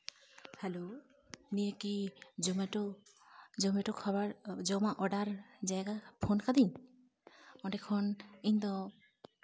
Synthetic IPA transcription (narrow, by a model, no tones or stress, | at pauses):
hɛlo | nijəkid͡ʒɔmɛʈɔ | d͡ʒɔmɛʈɔkʰɔbaɾd͡ʒɔmaʔɔɖaɾd͡ʒajɡapʰɔnkʰad̪iɲ | ɔɖɛkʰɔniɲd̪ɔ